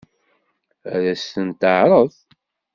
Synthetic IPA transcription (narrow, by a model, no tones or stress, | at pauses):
æɾæstənt̪əʕɾˤəð